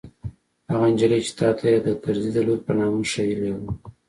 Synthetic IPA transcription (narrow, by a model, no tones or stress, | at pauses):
haɣand͡ʒalet͡ʃe̥t̪ɑt̪ʰajed̪ət̪aɾzid̪əloɾpənɑməʃajilawu